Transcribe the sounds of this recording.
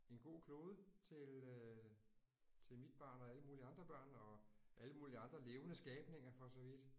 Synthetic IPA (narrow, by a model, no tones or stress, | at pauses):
e̝nɡ̥o̝̰ːkʰlo̝ːð̞ˠət͡sʰe̝lø | t͡sʰe̝lmid̥̚b̥ɑ̰̈ːnɒ̽æləmuːliɑ̈nd̥ʁɐb̥ɶɐ̰nɒ̽ʔæləmuːliɑ̈nd̥ʁɐle̝ːʊənəsɡ̥ɛːb̥ne̝ŋ̰ɐfɒ̽sɒ̽ʋid̥